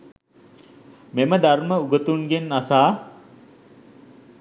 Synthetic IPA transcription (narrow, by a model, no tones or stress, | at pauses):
meməd̪arməuɡət̪uŋɡenːasaː